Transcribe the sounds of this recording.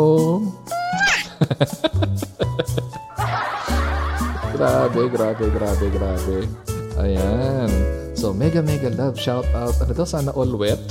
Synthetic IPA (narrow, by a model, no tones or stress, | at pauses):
o | ɡɾaːbɛɡɾaːbɛɡɾaːbɛɡɾaːbɛʔɐ̰jan | somɛɡɐmɛɡɐlɐvʃawt̪awt̪̚ɐnod̪osaːnɐʔolwɛt̪̚